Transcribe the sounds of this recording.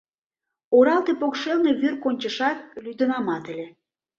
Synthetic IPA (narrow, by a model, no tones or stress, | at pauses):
oɾɑlt̪epokʃelneβyrkonʲt͡ɕəʃɑt̪̚lyd̪ə̆nɑmɑt̪ĕlʲe